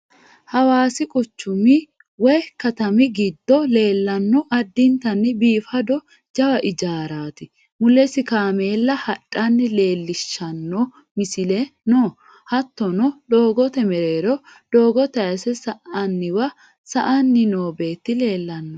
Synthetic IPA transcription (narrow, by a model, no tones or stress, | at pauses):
hɐwaːsɪkʼʊt͡ʃːʊmɪ | wɔjkɐt̪ɐmɪɡɪd̪ːɔle̞ːlːɐnːɔʔɐd̪ːɪnt̪ɐnːɪbiːfɐd̪ɔ | d͡ʒɐwɐʔɪd͡ʒaːɾaːt̪ɪ | mʊlːɛsɪkaːme̞ːlːɐhɐᶑʼːɐnːɪle̞ːlːɪʃːɐnːɔ | mɪsɪlɛnoː | hɐt̪ːɔnɔd̪oːɡɔt̪ɛmɛɾe̞ːɾɔd̪̥oːɡɔt̪ɐjɐsɛsɐʔɐnːɪwɐ | sɐʔɐnːɪnoːbe̞ːt̪ːɪle̞ːlːɐnːɔ